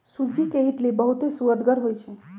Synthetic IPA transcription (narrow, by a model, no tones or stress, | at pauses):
sud͡ʒikeɦiʈlibəɦut̪esuəd̪ɡəɾɦojt͡ʃʰe